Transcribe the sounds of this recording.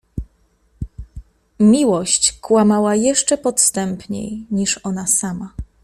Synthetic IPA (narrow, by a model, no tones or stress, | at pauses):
mʲiwɔɕt͡ɕkwamawajɛʂt͡ʂɛpɔt̪st̪ɛmpɲḛjɲiʂɔnasama